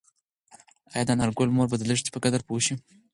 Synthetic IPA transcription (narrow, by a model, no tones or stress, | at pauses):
ajad̪anaɾɡolmoɾbad̪ələʂt̪i̥pəkad̪aɾpoʃi